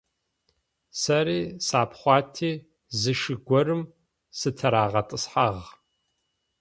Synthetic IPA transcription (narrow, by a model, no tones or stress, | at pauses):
sɐɾiːsaːpʰχʷɑːtʰiː | zɨʃɨɡʷɔɾɨm | sɨtʰɐɾaːʁɐtʼɨsħaʁ